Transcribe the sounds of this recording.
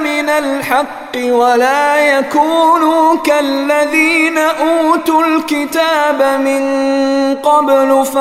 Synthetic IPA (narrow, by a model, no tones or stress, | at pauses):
mɪnalħɑqːɨwalaːjakuːnuːkalːaðiːnaʔuːt̪ʊlkɪt̪aːbamɪnqɑblf